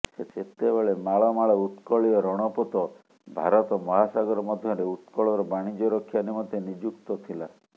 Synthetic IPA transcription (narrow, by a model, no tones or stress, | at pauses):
sesʰet̪ebeɭemaɭɔmaɭɔut̪kɔɭiɔɾɔɽ̃ɔpɔt̪ɔ | bʱaɾɔt̪ɔmɔɦasaɡɔɾɔmɔd̪ʱjɔɾeut̪kɔɭɔɾɔbaɽ̃id͡ʒɔɾɔkʰːjanimɔnt̪enid͡ʒukt̪ɔt̪ʰila